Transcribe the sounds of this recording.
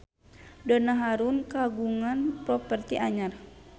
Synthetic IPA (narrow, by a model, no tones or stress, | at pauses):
dɔnaɦaɾunkaɡuŋanpɾɔpərt̪iʔaɲar